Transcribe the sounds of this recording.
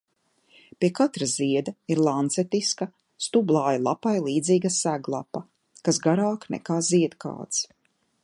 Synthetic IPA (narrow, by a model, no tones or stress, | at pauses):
pʲiɛkat̪ɾaziɛd̪ɐiɾlˠant̪sɛt̪iskɐ | st̪ublˠaːjalˠapajlˠiːd̪ziːɡasæɡlˠapɐ | kasɡaɾaːknɛ̰kaːziɛd̪ka̰ːt̪s